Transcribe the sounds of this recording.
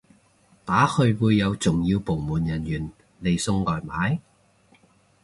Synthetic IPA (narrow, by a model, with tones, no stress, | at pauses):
t̪aː˨˥hɵ˧ɥwuː˨˧jːɐ˨˧wt͡sʊ˨ŋjiː˧wpo˨˩wmuː˨˩njɐ˨˩njyː˨˩n | le˨˩jsʊ˧ŋlɔː˨˩jmaː˨˥j